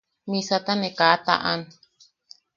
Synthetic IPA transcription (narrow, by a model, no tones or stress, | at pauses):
mĩsat̪anẽkat̪a̰ʔãn